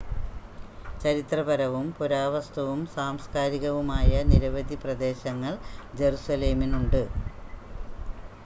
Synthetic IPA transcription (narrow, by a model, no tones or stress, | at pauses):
t͡ɕɐɾit̪rɐbɐɾɐʋumpuɾaːʋɐst̪ʰɐʋumsaːmskaːɾiɣɐʋumaːjɐniɾɐʋɐd̪ʱiprɐd̪e̞ːɕɐŋːɐɭd͡ʑe̞ɾusɐle̞ːminuɳɖɨ